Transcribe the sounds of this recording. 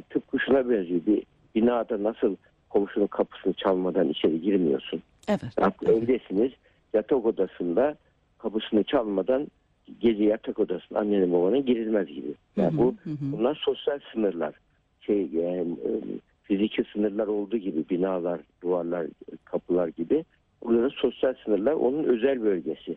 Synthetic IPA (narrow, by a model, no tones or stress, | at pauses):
t̪ʰɯp̚kʰuʃunabønlʲibi | binaːd̪anasɯlˠ | kʰo̞muʃunukʰapʰɯ̥sɯnɯt͡ʃʰalˠmad̪anḭt͡ʃʰe̞ɾiɟiɾmijo̞̰sun | akøvd̪esiniz̥ | jat̪ʰako̞d̪asɯnd̪a | kʰapɯsɯnɯt͡ʃʰalˠmad̪an | ɟe̞d͡ʒɛjat̪ʰako̞d̪asɯna̰nːejanɯmbabanɯɟiɾilʲmæzɟibi | ja̰ːnbubunlˠaɾso̞sjalʲsɯnɯɾlˠa̰ɾ̥ | ʃejjaːn | fizicʰlʲisɯnɯɾlˠaɾo̞lˠd̪uːɟibibinaːlˠaɾd̪̥uaɾlˠaɾkʰapʰɯlˠaɾɟibi | bulˠaɾɯso̞sjalʲsɯnɯɾlˠaɾo̞̰nunø̞zælʲbø̞lʲɟe̞sɪ